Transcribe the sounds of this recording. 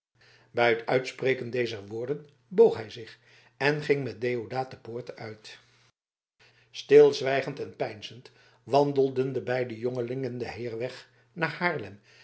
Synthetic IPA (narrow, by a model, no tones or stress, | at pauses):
bɛjɦətœɥtspreːjkəndejzəɹʋʊːɹdən | bowχɦɛjzɪχ | ʔɛnχɪŋmɛt̚dejodaːt̚dəpʊːɹtəœɥt | stɪlˠzʋɛjχəntɛnpɛjnzənt | ʋɑndəlˠdəndəbɛjdəjoŋəlɪŋəndəɦɪːɹʋɛχ | naːɹhaːɹlɛm